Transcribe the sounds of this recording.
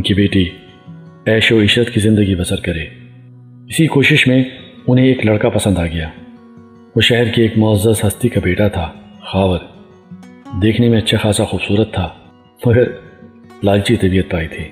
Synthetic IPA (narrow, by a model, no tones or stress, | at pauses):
ʊnkibeːʈi | ɛːʃoɪʃɾət̪kizɪ̃nd̪əɡibɐsəɾkɐɾeː | ɪsikoːʃɪʃmẽʊnɦẽeːklɐɽkapɐsə̃nd̪aːɡɐjaː | oːʃɛɦɛɾkieːkmʊəzːəsɦɐst̪ikabeːʈat̪ʰaːxaːʋəɾ | d̪eːkʰnemẽɐtːʃʰaxaːsaxuːbsuːɾət̪ʰːaː | mɐɡəɾ | laːd͡ʒt͡ʃit̪ɐbiːət̪̚paːit̪ʰiː